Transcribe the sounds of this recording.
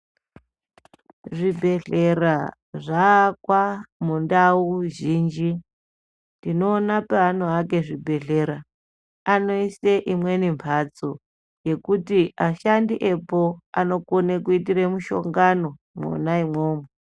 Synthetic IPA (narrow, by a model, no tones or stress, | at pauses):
ʐibʱe̞ɮera | ʐaːkwamundauʒiːnd͡ʒi | ndino̞ːnapaɦan̤oɦake̞ʐibʱe̞ɮeɾa | ano̞iseʔimwe̞nimpʰat͡so | je̞kutiaʃandiʔe̞po̞ano̞konekuitiremuʃo̞̰ŋɡano̞ | mṵnaimwoːmo